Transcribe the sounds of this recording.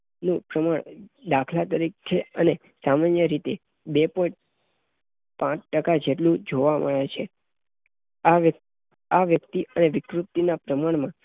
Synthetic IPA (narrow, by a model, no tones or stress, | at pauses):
nũpɾəmaɳd̪akʰlat̪əɾikʰeəne | samanjəɾit̪e | bepɔĩʈ | pãt͡ʃʰʈəkad͡ʒeʈlũd͡ʒoʋamə̰ɭet͡ʃʰe | aʋə | aʋjəkt̪iʔəneʋɪkɾut̪ːinapɾəmaɳmã